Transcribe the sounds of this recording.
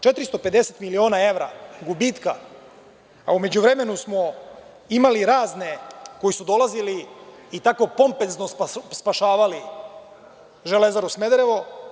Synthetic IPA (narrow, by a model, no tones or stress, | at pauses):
t͡ʃe̞t̪ɾist̪ope̞d̪e̞set̪milio̞ːnae̞ʋɾa̰ɡubiːt̪ka | aume̞d͡ʑuʋɾe̞me̞nusmo | imaliɾaːzne̞ko̞jisud̪o̞laziliːt̪ako̞po̞mpenznospspaʃaːʋali | ʒe̞le̞zaɾusme̞d̪ɾe̞ʋo